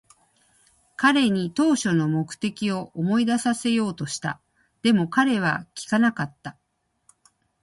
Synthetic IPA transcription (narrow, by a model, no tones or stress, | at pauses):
kaɾe̞ɲ̟it̪o̞ːɕo̞no̞mo̞kɯ̟̥t̪e̞kʲio̞ʔomo̞id̪asase̞jo̞ːt̪o̞ɕi̥t̪a̰ | d̪̥e̞mo̞kaɾe̞β̞akʲi̥kanakat̪ːa